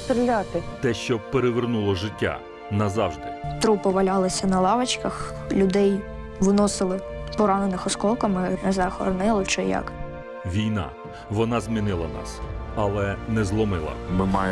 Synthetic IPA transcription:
st̪ɾɪlʲat̪ɪt̪ɛʃt͡ʃɔpeɾeʋernulˠɔʒɪtʲːa̰ | nɐzɑwʒd̪ɪt̪ɾupɪʋɐlʲɑlˠɪsʲɐnɐlˠɑʋɐt͡ʃkɐx | lʲʊd̪ɛj | ʋnɔsɪlˠɪpɔɾɑnenɪxɔskɔlˠkɐmɪnɛzɐxɔ̰ɾnɪlˠɪt͡ʃɛjɑ̰k | ʋʲijnɑ̰ | ʋɔnɑzmʲinɪlˠɐnɑ̰sɐlˠɛnɛzlˠɔmɪlˠɐ̰mɪmɑ̰j

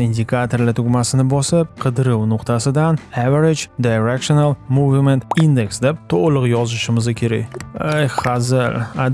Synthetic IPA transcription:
ind̪ʲɪkʰat̪oɾlat̪ʰʊɡʲmasɪnɪbɒsɪp̚qʰɨd̪ɾɪwnʊqt̪ʰasɪd̪anaveɾed͡ʒd̪ajɾekʃonalˠmuvment̪ind̪e̞ksd̪ep̚t̪ʰoʁlˠʊqjɒzɪʃɪmɪzakʲʰe̞ɾa̰jejχɑzɪla

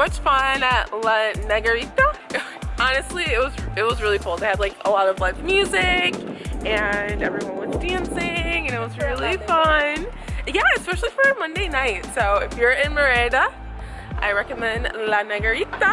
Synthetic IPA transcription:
mʌt͡ʃfʌ̃nɨtlənɛɡə˞itə | ʔɑnɨstˡliɪt̚wʌzɨt̚wʌzɹɪlˠikʊlˠðeɪɨdlaɪkəlɔɾʌvlaɪvmjʉzɪkɨ̃nɛ̰vɹĩwʌ̃nwʌzdæ̃nsɪ̃ŋɨ̃ñɨt̚wʌzɹɪlˠifʌ̃n | jæɨspɛʃl̩ˠifə˞mʌ̃ndeɪnaɪtsoʊɪfjə˞ɪ̃nmə˞eɾə | ʔaɪɹɛkɨmɛ̃ndlænɛɡə˞itə

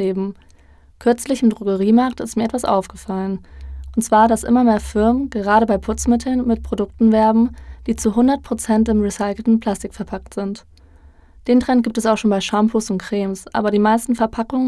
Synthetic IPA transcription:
eːbm̩ | kʰʏɐt͡slɪçɪmdʁʊɡəʁiːmaɐktɪstmiːɐɛtv̥asʔa̰ʊfɡ̥əfalənʔʊntt͡sv̥aːɐɾasʔɪ̰mɐmeːɐfɪɐmənɡ̥əʁ̞aːɾəbaɪpʰʊt͡smɪtʰl̩nmɪtpʰʁ̥odʊk̚tn̩vɛɐbm̩d̥iːt͡suɦʊndɐt̚pʰʁ̥ot͡sɛntɪmʁisaɪkl̩tn̩pʰl̥astɪkfɛɐpʰak̚tz̥ɪnt | d̥eːntʁ̥ɛntɡ̥iːp̚tɛsaʊxʃoːnbaɪʃampʰosʊntkʁ̥eːmsʔa̰ːbɐɾiːmaɪstn̩fɛɐpʰakʊŋə

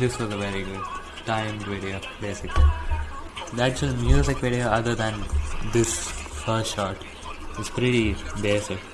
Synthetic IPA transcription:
d̪ɪsʋɔzəʋɛɾiɡʊɖ | ʈãɪ̃mʋɪɖio | beːsɪkli | d̪æʈt͡ʃɔzmjuːzɪkʋɪɖioʌd̪əɾd̪æ̃nd̪ɪsfəɾʃʃɔːɾʈ | ɪspɾɪʈibeːsɪk

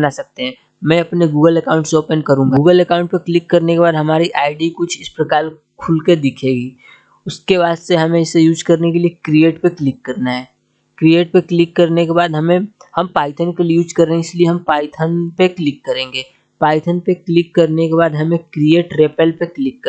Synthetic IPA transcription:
nasɐk̚t̪eɦɛ̃ː | mɛ̃ɐpneɡuːɡəlɛkaːʊ̃ɳʈsoːpənkɐɾũːŋɡauːɡəlɛkãːʊ̃ɳʈpeklɪkːɐɾnekebaːd̪ɦɐmaːɾiʔaːɪɖikʊt͡ʃʰɪspɾɐkaːɾ | kʰʊlked̪ɪkʰeːɡiː | ʊskeβaːd̪seɦɐmẽɪsːejuːd͡ʒkɐɾnekeliekɾieːʈpeklɪkːɐɾnaɦɛː | kɾieːʈ̚peklɪkːɐɾnekebaːd̪ɦɐmẽ | hɐmpaːɪt̪ʰənkeliejuːd͡ʒkɐɾːẽɦɛɪslieɦɐmpaːɪt̪ʰənpeklɪkːɐɾẽːŋɡeː | paːɪt̪ʰənpeklɪkːɐɾnekebaːd̪ɦɐmẽkɾieːʈɾeːpɛlpeklɪkːə

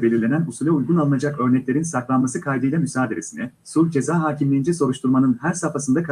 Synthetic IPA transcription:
be̞lʲiɾlʲe̞nænusulʲɛujɡunalˠɯnad͡ʒakø̞ɾnɛclʲeɾinsaklˠanmasɯkʰajd̪ɯjlˠamysaːd̪eɾʲesinɛ | sulʲd͡ʒe̞zaːɦaːcʰimlʲejind͡ʒɛso̞ɾuʃt̪ʰuɾmanɯnhæɾsafasɯnd̪akʰ

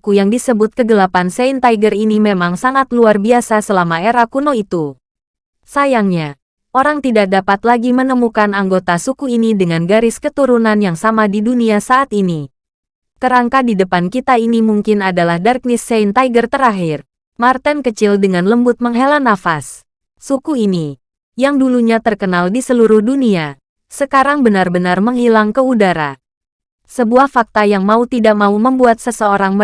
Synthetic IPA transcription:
kujaŋdisəbʊt̪̚kəɡəlapanseint̪aiɡərinimemaŋsaŋat̪luarbiasasəlamaeɾakunoit̪u | sajaŋɲa | ʔoɾaŋt̪idak̚dapat̪laɡimənəmukanaŋɡot̪asukuinidəŋanɡaɾɪskət̪uɾunanjaŋsamadiduniasaʔat̪ini | kəɾaŋkadidəpankit̪ainimuŋkɪnadalahdark̚nɪseint̪aiɡərt̪əɾaɦɪr | mart̪ɛnkət͡ʃɪldəŋanləmbʊt̪̚məŋɦelanːafasː | ukuini | jaŋduluɲat̪ərkənaldisəluɾʊhdunia | səkaɾaŋbənarbənarməŋhilaŋkəudaɾa̰ | səbuahfak̚t̪ajaŋmaut̪idak̚mauməmbuat̪̚səsəoɾaŋmə

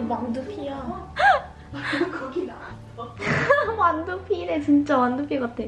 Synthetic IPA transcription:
mandupʰija | kʌɡina | wandupʰinet͡ɕint͡ɕ͈awandupʰikatʰeo

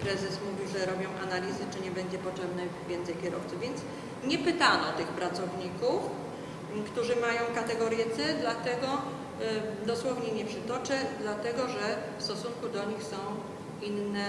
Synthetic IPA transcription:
pɾɛzɛsmuvʲiwʐɛɾɔbʲjɔ̃w̃ʔa̰nalʲizɘt͡ʂɘɲɛbɛɲd͡ʑɛpɔt͡ʂɛbnɛvʲjɛnt̪sɛjkʲɛɾɔft̪sʊvʲjɛnt̪s | ɲɛpɘt̪anɔt̪ɘxpɾat̪sɔvɲikuf | kt̪uʐɘmajɔ̃w̃kat̪ɛɡɔɾjɛt̪sɛd̪lat̪ɛɡɔ | d̪ɔswɔvɲɛɲɛpʂɘt̪ɔt͡ʂɛd̪lat̪ɛɡɔʐɛfst̪ɔsunkud̪ɔɲixsɔ̃w̃ | inːɛ

